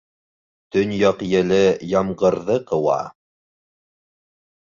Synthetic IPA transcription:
t̪ɵnjɑqjɘ̆lɘjɑmɢɤ̆ɾðɤqɤ̆wɑ̰

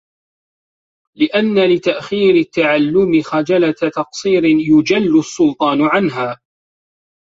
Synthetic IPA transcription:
lɪʔanːalɪt̪aʔxiːɾɪt̪ːaʕalːʊmɪxad͡ʒalat̪ɑqsˤiːɾɪjʊd͡ʒalːʊsˤːʊlt̪ˤɑːnʕanɦaː

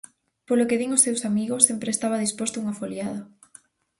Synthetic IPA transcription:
polokeðiŋosewsamiɣosːempɾest̪aβaðispost̪ʊuŋafoljaðɐ

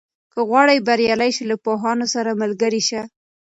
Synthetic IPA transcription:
kəɣwɑɽajbaɾjɑlajʃilapoɦɑnosaɾamalɡəɾiʃa

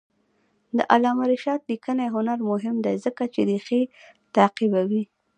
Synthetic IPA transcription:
d̪ə̰ʔalɑmaɾɪʃɑt̪likənaɦʊnaɾmʊɦɪmd̪ajzəkat͡ʃed̪əxet̪aqibawi

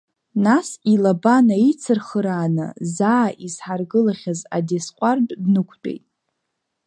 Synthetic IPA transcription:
nasilabanait͡sʰɨrχəɾaːnɨ̰zaːʔizħarɡɨlaχʲaza̰desqʷʼardʼdnɨkʷʰt͡pʼḛjtʼ

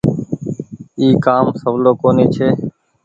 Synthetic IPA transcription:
iːkaːmsəʋloːkoːniːt͡ʃʰeː

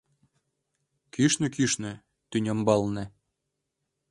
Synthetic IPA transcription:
kyʃnɘ̆kyʃnɘ̆ | t̪ynʲɤ̆mbɑlnɘ̆

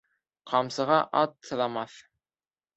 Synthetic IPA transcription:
qʰɑmsɤ̆ʁɑʔɑt̪ːɤ̆ðɑmɑθ

